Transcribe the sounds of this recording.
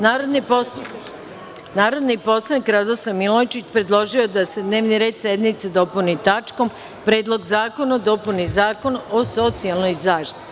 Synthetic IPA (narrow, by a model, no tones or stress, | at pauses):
naɾod̪ni | naːɾo̞d̪nipo̞slˠanikɾad̪osamilojt͡ʃit͡ɕpɾe̞d̪lˠo̞ʒio̞d̪ase̞d̪ne̞ːʋniɾed̪sjed̪nit̪sed̪o̞punit̪at͡ʃko̞m | pɾeːd̪lˠo̞ɡzaːko̞nad̪o̞punizaːko̞noso̞t̪sialˠno̞jzaːʃt̪i